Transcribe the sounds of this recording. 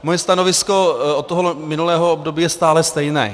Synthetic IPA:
mojɛst̪anovɪsko̞ot̪t̪ːoɦomɪnulɛːɦoobdobiːjɛst̪aːlɛst̪ɛjnɛ̰ː

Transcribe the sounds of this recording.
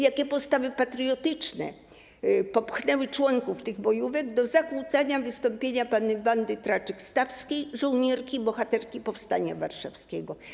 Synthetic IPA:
jakʲɛpɔst̪avɘpat̪ɾijɔt̪ɘt͡ʂnɛ̰ | pɔpxnɛwɘt͡ʂwɔŋkuft̪ɘɣbɔjuvɛɡ̚d̪ɔzakut̪saɲavɘst̪ɔmpʲjeɲapanvand̪ɘt̪ɾat͡ʂɛkst̪afskʲijʐɔwɲɛɾkʲibɔxat̪ɛɾkʲipɔfst̪aɲa̰va̰ɾʂafskʲɛɡɔ

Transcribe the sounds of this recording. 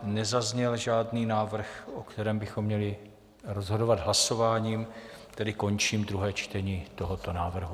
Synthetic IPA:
nɛzazɲɛlʒaːdniːnaːvr̩xʔokt̪ɛɾɛːmbɪxo̞mːɲɛlɪ | ɾo̞zɦo̞do̞vad̪ɦlaso̞vaːɲiːm | t̪ɛdɪko̞nt͡ʃiːmd̪ɾuɦɛːt͡ʃt̪ɛɲiːt̪o̞ɦo̞t̪o̞naːvr̩ɦu

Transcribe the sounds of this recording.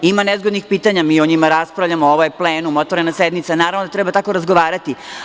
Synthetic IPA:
imanezɡod̪nixpiːt̪aɲamiːoɲimaɾaspɾavʎamooʋojepleːnumot̪ʋoɾenased̪mit̪sanaːɾavʋnod̪at̪ɾɛbat̪ako̞ɾazɡoʋaːɾat̪i

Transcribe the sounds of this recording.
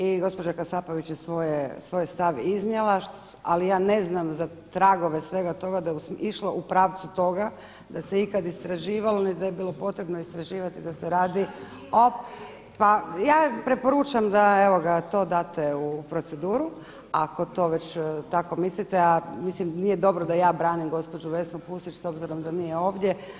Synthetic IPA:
iɡo̞spod͡ʒakasaːpoʋit͡ɕjesʋojesʋoːjst̪aʋiznjelˠaʃ | a̰lijaːne̞znamza | t̪ɾaɡo̞ʋe̞sʋe̞ɡat̪o̞ɡad̪ajeusiʃlo̞ʔupɾaːʋt̪sut̪o̞ɡa | d̪aseikad̪ist̪ɾaʒiːʋalonid̪ajebiːlˠo̞po̞t̪ɾebnoist̪ɾaʒiːʋat̪id̪aseɾaːd̪i | o | pajaːpɾe̞po̞ɾuːt͡ʃamd̪ae̞ʋo̞ɡat̪o̞ːd̪aːt̪eupɾo̞t̪se̞d̪uːɾu | a̰ko̞t̪o̞ʋe̞t͡ɕt̪ako̞mislit̪eamislimnijed̪o̞bɾod̪ajaːbɾaːnimɡo̞spo̞d͡ʒuʋe̞snupust̪it͡ʃso̞bziɾo̞md̪anijeo̞ːʋd̪je̞

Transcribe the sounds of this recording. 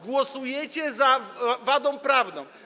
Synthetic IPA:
ɡwɔsujɛt͡ɕɛzavad̪ɔ̃w̃pɾavnɔ̃w̃

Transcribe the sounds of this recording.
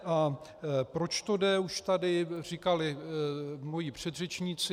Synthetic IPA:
ʔa | pɾo̞t͡ʃt̪o̞dɛuʃt̪adɪr̝ikalɪ | mo̞jipr̝̥ɛd̪rɛt͡ʃɲit͡sɪ

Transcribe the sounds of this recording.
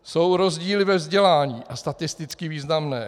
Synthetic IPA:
so̞wɾo̞zɟiːlɪvɛvzɟɛlaːɲiːʔast̪at̪ɪst̪ɪt͡skɪviːznamnɛː

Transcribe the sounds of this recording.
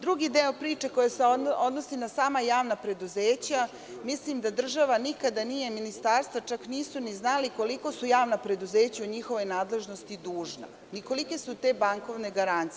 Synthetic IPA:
d̪ɾuɡid̪eopɾiːt͡ʃeko̞jeseod̪no̞sinasaːmajaːʋnapɾe̞d̪uzeːt͡ɕa | mislimd̪ad̪r̩ʒaʋanikad̪anije̞minist̪aːɾst̪ʋat͡ʃakniːsuniznaliko̞liko̞sujaːʋnapɾe̞d̪uzeːt͡ɕauɲixo̞ʋo̞jnaːd̪le̞ʒno̞st̪id̪uːʒna̰ | niko̞like̞sut̪e̞baŋko̞ʋne̞ɡaɾant̪s

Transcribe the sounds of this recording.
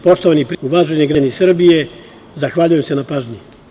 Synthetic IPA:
po̞st̪oʋanipɾuʋaːʒeɲiɡɾanisr̩bije | zaxʋaːʎujemse̞napaːʒɲi

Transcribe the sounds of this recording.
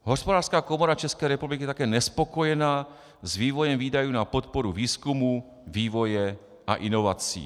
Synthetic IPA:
ɦɔspɔd̪aːɾskaːkɔmɔɾat͡ʃɛskɛjɾɛpublikijɛt̪akɛːɲɛspɔkɔjɛnaː | zʋiːʋɔjɛmviːd̪ajuːnapɔt̪pɔɾuʋiːskumu | ʋiːʋɔjɛ | a̰ʔinɔʋaːt͡siḭː

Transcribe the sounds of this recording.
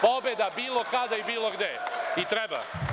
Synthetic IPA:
pobed̪abiːlˠokad̪aibiːlˠoɡd̪eit̪ɾeba̰

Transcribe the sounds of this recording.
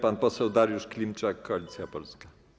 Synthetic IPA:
panpɔsɛwd̪aɾjuʂklʲimt͡ʂakːɔalʲit̪sʲjapɔlska

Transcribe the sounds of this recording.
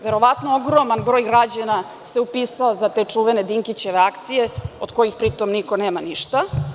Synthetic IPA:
ʋeɾo̞ʋat̪nooɡɾomanbɾo̞ːjɡɾad͡ʑana | se̞upiːsaozat̪e̞t͡ʂuːʋened̪iŋkit͡ɕe̞ʋeakt̪sije̞od̪ko̞jixpɾit̪o̞mniko̞neːmaniʃt̪a

